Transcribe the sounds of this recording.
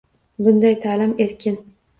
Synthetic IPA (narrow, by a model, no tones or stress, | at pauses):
bʊnd̪ajt̪ʰaːlɪme̞ɾkʲʰɪn